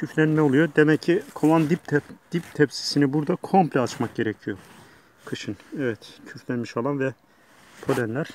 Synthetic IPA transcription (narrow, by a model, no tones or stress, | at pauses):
cʰyflʲænmɛolˠujod̪emɛcʰːikʰovˠand̪ip̪d̪̥ip̚t̪ʰɛpsi̥sinibuɾd̪akʰo̞mplʲɛat͡ʃmak̚ɟe̞ɾɛcʰijo̞ | kʰɯʃɯnɛvɛt̪cʰyflʲænmiʃalˠanvɛ | pʰo̞lænlʲæɾ̥